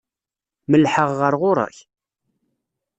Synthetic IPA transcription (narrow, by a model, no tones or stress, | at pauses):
məlħəʁːəɾʁʊɾˤɑ̰ç